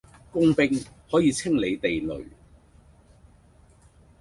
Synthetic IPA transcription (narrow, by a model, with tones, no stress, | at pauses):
kʊ˥ŋpɪ˧ŋhɔː˨˥jiː˨˧t͡sʰɪ˥ŋle˨˧jt̪e˨jlɵ̰˨˩ɥ